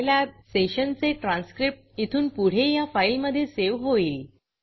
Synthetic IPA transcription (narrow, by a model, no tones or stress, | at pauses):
ljaseɕənt͡seʈɾãnskɾip̚ʈ̚it̪ʰuːnpuɽ̤ejafailməd̪ʱːjeseʋɦoi